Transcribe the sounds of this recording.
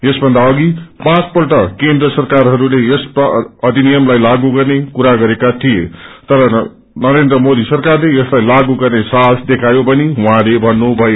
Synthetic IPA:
esbʱʌnd̪aʌɡipãt͡spʌrʈʌkend̪rʌsʌrkarɦʌɾulejesʈaʌd̪ʱinijʌmlajlaɡuɡʌrnekuɾaɡʌɾekat̪ʰijet̪ʌɾʌ | nʌɾend̪ɾʌmod̪isʌrkarlejʌslajlaɡuɡʌrnesasd̪ekʰajobʌniɦũɦãlebʱʌnːubʱʌjo

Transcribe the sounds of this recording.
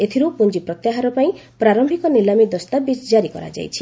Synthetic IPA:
et̪ʰiɾupund͡ʒipɾɔt̪jaɦaɾɔpaĩpɾaɾɔmbʱikɔnilamid̪ɔst̪abid͡ʒd͡ʒaɾikɔ̰ɾa̰d͡ʒa̰jt͡ʃʰi̥

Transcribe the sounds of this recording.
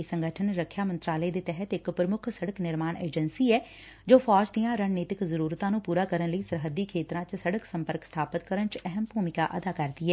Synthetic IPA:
səŋɡəʈʰənɾəkʰːjaːmənt̪ɾaːləeːd̪eːt̪ɛɦət̪ɪkpɾəmʊkʰsəɽəknɪɾmaːnʔḛːd͡ʒənsiːɛː | d͡ʒoːfʰɔːd͡ʒd̪ijãːɾəɳneːt̪ɪkzəɾuːɾt̪ãːnũːpuːɾaːkəɾənləiːsəɾɦəd̪iːkʰeːt̪ɾãːt͡ʃsəɽəksə̃mpəɾkst̪ʰaːpət̪kəɾənt͡ʃɛɦəmbʱuːmɪka̰ːʔəd̪aːkəɾd̪iːɛː

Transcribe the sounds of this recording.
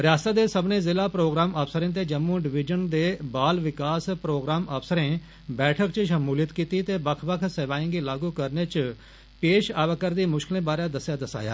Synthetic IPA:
ɾjaːst̪aːd̪eːsəbnẽːzɪlaːpɾoːɡɾaːməfsəɾẽːt̪̬eːd͡ʒəmːũːɖɪʋɪd͡ʒənd̪eːbaːlʋɪkaːspɾoːɡɾaːməfsəɾẽː | bɛːʈʰəkt͡ʃʃəmuːlət̪kiːt̪iːt̪eːbəkʰbəkʰseːʋaːĩɡiːlaːɡuːkəɾneːt͡ʃ | peːʃaːʋəkəɾd̪iːmʊʃkɪlẽːbaːɾãːd̪əsjaːd̪əsa̰ːja̰ː

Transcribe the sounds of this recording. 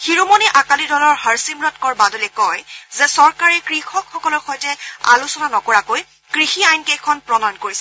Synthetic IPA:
xiɹumɔniʔakalidɔlɔɹhaɹsimɹɔtkɔɹbadɔlɛkɔjzɛsɔɹkaɹɛkɹixɔkxɔkɔlɔɹxɔjtɛa̰lusɔnanɔkɔɹakoj | kɹixiajnkejkʰɔnpɹɔnankoɹisɛ

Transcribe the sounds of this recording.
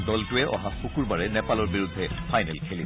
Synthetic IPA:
dɔltʊɛʔɔ̰ɦaxukuɹbaɹɛnɛpalɔɹbiɹudʱːɛpʰajnɛlkʰeli

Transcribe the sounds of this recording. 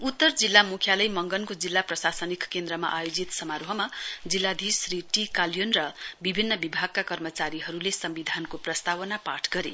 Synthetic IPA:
ut̪ːʌrd͡zilːamukʰjalʌjmʌŋɡʌnkod͡zilːaprʌsasʌnikkend̪ɾʌma̰ʔajod͡zit̪sʌmaɾoɦʌmad͡zilːad̪ʱisriʈikaljonrʌbibʱinːʌbibʱaɡ̚kakʌrmʌt͡saɾiɦʌɾulesʌmbid̪ʱankoprʌst̪awʌnapaʈʰɡʌɾḛ

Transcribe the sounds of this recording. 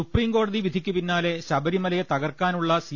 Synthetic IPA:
upriːmko̞ːɽɐðiʋid̪ʱikʲːupinːaːle̞ɕɐbɐɾimɐlɐjet̪ɐɣɐrkaːnuɭːɐsi

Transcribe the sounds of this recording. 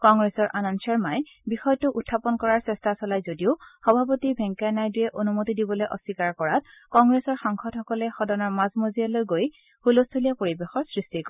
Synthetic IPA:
kɔŋɡɹesɔɹʔanɔnsɔɹmaj | bixɔjtʊʔutʰːapɔnkɔɹaɹsɛstasɔlajzodiʊxɔbʱap̬otibʱɛŋkajnajdujɛʔonumotidibɔlojʔɔsikaɹkɔɹat | kɔŋɡɹɛsɔɹxaŋxʰɔdxɔkɔlɛxɔdɔnɔɹmazmozijalojɡoj | hulostʰolijapoɹibexɔɹsɹistikɔ

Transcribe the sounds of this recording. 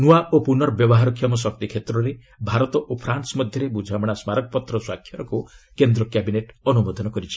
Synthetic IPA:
nuaʔopunɔɾɔbjɔbɔɦaɾɔkʰːjɔmɔs̬ɔk̚t̪ikʰet̪ɾɔɾe | bʱaɾɔt̪ɔʔopʰɾansɔmɔd̪ʱjɔɾebud͡ʒʱamɽ̃asmaɾɔkɔpɔt̪ɾɔswakʰjɔɾɔkukend̪ɾɔkjabineʈɔnubɔd̪ʱɔnɔkɔɾit͡ʃʰi̥

